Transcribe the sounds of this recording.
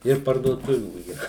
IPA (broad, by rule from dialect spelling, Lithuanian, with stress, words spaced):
ɪr pɐrduɔˈtʊʋʲuː iːˈrɐ